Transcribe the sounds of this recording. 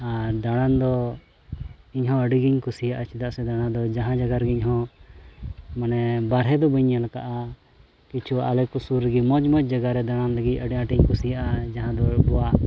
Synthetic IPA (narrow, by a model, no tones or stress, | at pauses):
aɾd̪aɽ̃and̪ɔ | iɲɦɔ̃əɖiɡiɲkusijaʔat͡ʃʰid̪aʔsɛd̪aɽ̃ãd̪ɔd͡ʒaɦãd͡ʒaɡaɾɡiɲɦɔ̃ | manɛbaɾɦɛd̪ɔbəɲːɛlkaʔa | kit͡ʃʰuaʔalɛkusuɾəɡimɔd͡ʒmɔd͡ʒ̚d͡ʒaɡaɾɛd̪aɽ̃anləɡic̪̚ʲˀəɖiãʈiɲkusijaʔad͡ʒaɦãd̪ɔbɔwa